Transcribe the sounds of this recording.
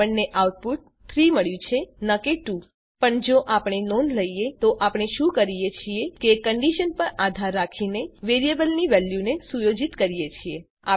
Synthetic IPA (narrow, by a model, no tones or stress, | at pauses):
əɳneʔawʈ̚puʈ̚ | t̪ʰɾiməɭjũt͡ʃʰenəkeʈu | pəɳd͡ʒoʔapɳ̃enonləijet̪oʔapɳ̃eʃũkəɾijet͡ʃʰiekekəɳɖiʃənpəɾad̪ʱaɾːakʰineʋeɾijebəlniʋɛljunesujod͡ʒit̪kəɾijet͡ʃʰie | a